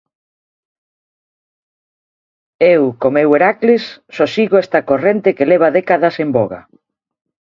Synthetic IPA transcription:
ewkomeweɾaklɪsːosiɣoɛst̪ɐkorent̪ekeleβ̞ɐðekaðɐsemboɣa̰

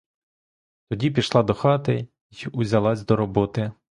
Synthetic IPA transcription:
t̪ɔdʲipʲiʃlˠɑd̪ɔxɑt̪ɪ | iiʔʊzʲɐlˠɑsʲd̪ɔɾɔbɔt̪ɪ

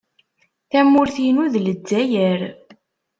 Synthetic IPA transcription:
θæmːʊɾθinuðlədːæjəɾ

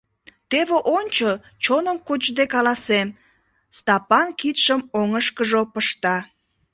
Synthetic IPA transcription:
t̪eβeʔonʲt͡ɕo | t͡ɕonəmkot͡ʃd̪ekɑlɑsem | st̪ɑpɑnkit̪ʃəmoŋəʃkəʒopəʃt̪ɑ

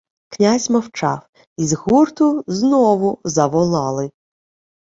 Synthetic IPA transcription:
knʲazʲmɔwt͡ʃɑw | izɦurt̪ʊznɔʋʊzɐʋɔlˠɑlˠɪ

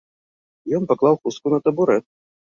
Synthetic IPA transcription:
jɔnpaklˠawxuskunɐt̪ɐbuɾɛt̪̚

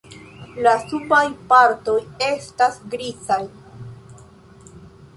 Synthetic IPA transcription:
lasupajpaɾto̞je̞stasɡɾizaj

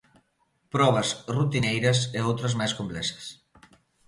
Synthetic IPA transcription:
pɾɔβ̞əzrut̪inejɾəseowt̪ɾəzmajskomplɛsə̥s

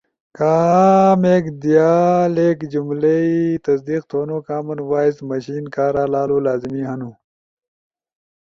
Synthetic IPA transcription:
kaːmeːkd̪ijaːleːkd͡ʑumleit̪ɐsd̪iːq̚t̪ʰoːnoːkaːmɐnwaːismɐɕiːnkaːɾaːlaːluːlaːzimiːɦɐnuː

